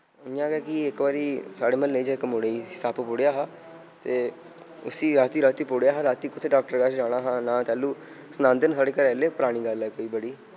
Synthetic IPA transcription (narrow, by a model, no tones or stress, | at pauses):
mĩãːɡaːkiɪkʋaːɾiːsaːɽeːməlːeiːd͡ʒɪkmoɽeiɪsaːppoːɽejaːɦaː | t̪eː | ʊsiːɾaːt̪iːɾaːt̪iːpoːɽjaːɦaɾaːt̪iːkʊt̪ʰːeːɖaːk̚ʈəɾɡasd͡ʒaːɽ̃aːɦãːnaːt̪ɛːluː | snãːnd̪ənsaːɽeːkəɾɛːleːpʊɾaːɽ̃iːɡəlɛːkoːiːbəɽiː